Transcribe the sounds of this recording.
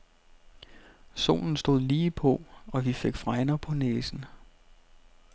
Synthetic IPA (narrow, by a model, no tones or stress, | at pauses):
so̝̰ːln̩sd̥o̝ð̞̰ˠliːpʰɒ̽ɒ̽ʋifeɡ̥fʁɑ̈ɪnɐpʰɒ̽neːsn̩